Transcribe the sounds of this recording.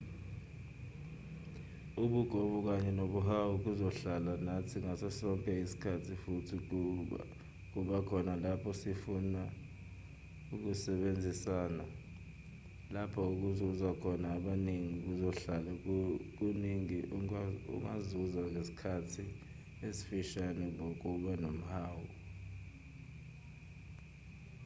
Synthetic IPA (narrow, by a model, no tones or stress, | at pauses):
uɓuɡ̥ʱɔɓuk̬aɲɛnoɓuɦawuk̬uzɔɬalanatʰiŋasɛsɔŋkʼɛisi̥kʰatʰifutʰi | k̬uɓakʰɔnalapʰɔsifuna | uk̬usɛɓend͡zʱisaːna | lapʰɔuk̬uzuzakʰɔnaːɓaneŋiuk̬uzɔɬalak̬uniŋiʔṵŋazuzaŋesi̥kʰatʰi | esi̥fiʃanɛŋok̬uɓanom̩haːwu